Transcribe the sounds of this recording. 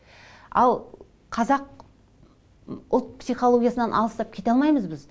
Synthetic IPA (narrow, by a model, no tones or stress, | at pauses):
ɑ̰lˠ | qʰɑzɑq | ʊlˠt̪̚psijχolˠo̞ɡʲijasənɑnʔɑlˠəst̪ɑp̚kʲʰe̞t̪eɑlˠmɑjməzbɪz